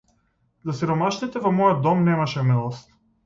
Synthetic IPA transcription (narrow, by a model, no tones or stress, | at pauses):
zasiɾɔmaʃnit̪ɛvɔmɔjɔd̪̚d̪ɔmnɛmaʃɛmɛlˠɔst̪